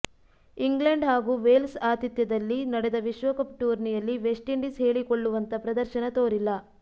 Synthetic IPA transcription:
iŋɡlɐɳɖɦaːɡuːʋeːlsaːt̪it̪jɐd̪ɐlːinɐɽɛd̪ɐʋiʃʋɐkɐpʈuːɾnijɐlːiʋe̞sʈiɳɖisɦe̞ːɭikoɭːuʋɐnt̪ɐpɾɐd̪ɐɾʃɐnɐt̪oːɾilːɐ

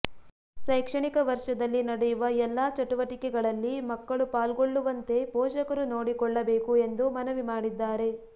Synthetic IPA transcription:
sɐjkʂɐɳikɐʋɐɾʂɐd̪ɐlːinɐɽɛjuʋɐɛlːaːt͡ʃɐʈuʋɐʈikɛɡɐɭɐlːimɐkːɐɭupaːlɡoɭːuʋɐnt̪e̞pɔːʃɐkɐɾuno̞ːɽikɔɭːɐbeːkue̞nd̪umɐnɐʋimaːɽid̪ːaːɾe̞

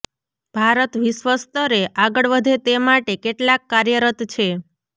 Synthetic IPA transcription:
b̥ʱaɾət̪ʋiʃʋəst̪ʰəɾeʔaɡəɭʋəd̪ʱet̪emaʈekeʈlakːaɾjəɾət̪t͡ʃʰe

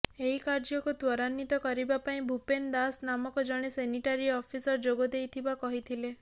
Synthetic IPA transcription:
eɦikaɾd͡ʒɔkut̪wɔɾanːit̪ɔkɔɾibapaĩbʱupend̪asnamɔkɔd͡ʒɔɽ̃eseniʈaɾiɔpʰisɔɾd͡ʒoɡɔd̪ejt̪ʰibakɔɦit̪ʰile

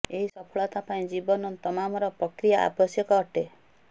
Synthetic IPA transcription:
eɦisɔpʰɔɭɔt̪apaĩd͡ʒibɔnɔnt̪ɔmamɔɾɔpɾɔkɾijaʔa̰bɔsjɔkɔːʈe

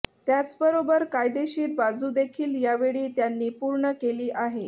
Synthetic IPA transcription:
t̪jat͡sbəɾobəɾkajd̪eɕiːt̪̚bad͡zud̪ekʰiːljaʋeɭiːt̪janːiːpuɾɳəkeliːʔaɦe

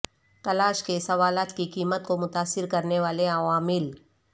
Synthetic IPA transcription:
t̪ɐlaːʃkesɐʋaːlaːt̪kikiːmət̪̚komʊt̪aːsɪɾkɐɾneʋaːleaʋaːmɪl

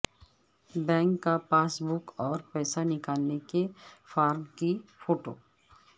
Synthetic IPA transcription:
bɛ̃ːŋkːapaːsbʊkɔːɾpɛːsanɪkaːlnekefaːɾmkifoːʈo̰ː

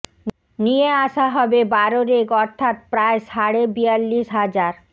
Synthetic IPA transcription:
nieaʃaɦɔbebaɾoɾeɡɔɾt̪ʰat̪̚pɾaeʃaɽebijalːiʃɦad͡ʑaɾ

